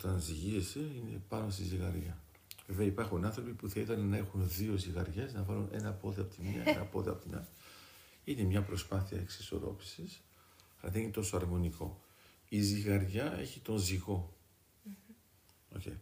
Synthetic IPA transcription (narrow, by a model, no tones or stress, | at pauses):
ot̪ɐnziʝiese̞ine̞̰pɐno̞s̬t̪iziɣɐɾʝɐ | ve̞veɐipɐɾxunɐ̃nθɾo̞pipuθɐiðɐnenɐe̞xunðio̞ziɣɐɾʝe̞znɐvɐlune̞̰nɐpo̞ðeɐpo̞t̪iminɐ̰enʔɐ̰po̞ðeɐ̰po̞t̪inɐ̰ | ine̞mɲɐpɾo̞spɐθiɐ̰eksi̥so̞̰ɾo̞̰pi̥sis | ɐlɐ̰ðeninet̪o̞soɐɾmo̞niko̞̰ | iziɣɐɾʝɐe̞̰çit̪o̞nziɣo̞ | o̞̰ce̞̰j